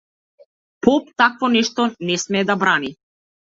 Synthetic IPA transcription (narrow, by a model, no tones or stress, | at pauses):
pɔp̚t̪akvɔnɛʃt̪ɔnɛsmɛːd̪abɾani